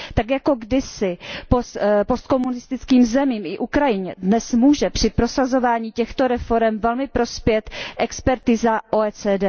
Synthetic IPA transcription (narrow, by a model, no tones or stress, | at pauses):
t̪akjako̞ɡdɪsɪpospo̞st̪̚ko̞munɪst̪ɪt͡skiːmzɛmiːmʔɪʔukɾajɪɲɛdnɛsmuːʒɛpr̝̥ɪpɾo̞sazo̞vaːɲiːcɛxt̪o̞ɾɛfo̞ɾɛmvɛlmɪpɾo̞spjɛt̪ʔɛkspɛɾt̪izaʔoɛːt͡sɛːdɛː